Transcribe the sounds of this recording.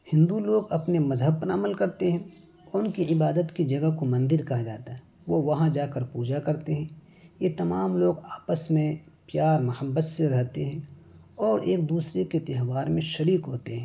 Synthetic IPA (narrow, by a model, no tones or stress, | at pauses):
hɪ̃nd̪uloːɡɐpnemɐzɦəb̚pɐna̰ːməlkɐɾt̪eɦɛ̃ | ʊnkiɪbaːd̪ət̪kid͡ʒɐɡakomɐ̃nd̪ɪɾkɐɦad͡ʒaːt̪aɦɛ | ʋoʋɐɦãd͡ʒaːkəɾpuːd͡ʒakɐɾt̪eɦɛ̃ | jet̪ɐmaːmloːɡaːpəsmẽpjaːɾmɐhəbːəsseɾɐɦt̪eɦɛ̃ː | ɔːɾeːk̚d̪uːsɾeket̪ɪɦʋaːɾmẽʃɐɾiːkɦoːt̪eɦɛ̃ː